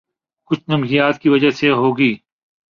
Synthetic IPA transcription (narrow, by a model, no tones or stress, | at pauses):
kʊt͡ʃʰnɐmɦijaːt̪kiʋɐd͡ʒaseɦoːɡiː